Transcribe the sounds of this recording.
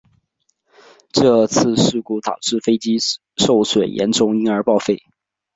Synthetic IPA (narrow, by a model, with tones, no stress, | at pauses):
ʈ͡ʂɤ˥˧t͡sʰɹ̩˥˧ʂɻ̩˥˧ku˥˩t̪ɑ˨˩ʊʈ͡ʂɻ̩˥˩fe˥ɪt͡ɕi˥ | ʂo˥˩ʊswe˨˩ɪjɛ̰˧˥nʈ͡ʂʊ˥ŋi˥ŋə˞˧˥pɑ˥˧ʊfe˥˩ɪ